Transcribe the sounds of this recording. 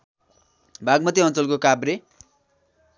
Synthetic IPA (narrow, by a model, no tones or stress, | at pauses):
bʱaɡmʌt̪iʌnt͡sʌlkokabre